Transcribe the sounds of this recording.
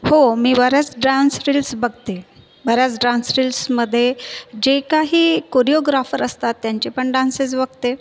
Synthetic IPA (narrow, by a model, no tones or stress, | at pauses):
homiːʋəɾat͡sɖɾansɾilsbəɡ̚t̪e | bəɾjat͡sɖãnsɾilsməd̪ʱːjed͡ʑekaɦiːkoɾijoɡɾafəɾəst̪at̪ːjaɲt͡ɕepəɳɖãnset͡sbəɡt̪e